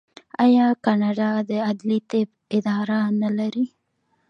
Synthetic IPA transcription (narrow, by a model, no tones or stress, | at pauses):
ajɑkɑnɑɖɑd̪əad̪lit̪eb | ɪd̪ɑɾanalaɾi